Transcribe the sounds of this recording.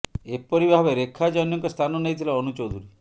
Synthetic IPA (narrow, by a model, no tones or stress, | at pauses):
epɔɾibʱabeɾekʰːad͡ʒɔnjɔŋkɔst̪ʰanɔnejt̪ʰilaɔnut͡ʃɔwd̪ʱuɾi